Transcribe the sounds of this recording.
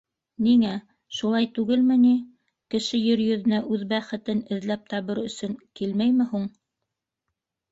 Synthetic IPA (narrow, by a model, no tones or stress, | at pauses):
niŋæ | ʃulˠɑjt̪ʉɡɘlmɘ̆ni | kɘ̆ʃɘjɘɾjɵ̆ðɘ̆næʔʉðbæχɘ̆t̪ɘnɘ̆ðlæp̚t̪ɑβɤɾɵ̆sɵ̆ŋkilmæjmɘ̆huɴ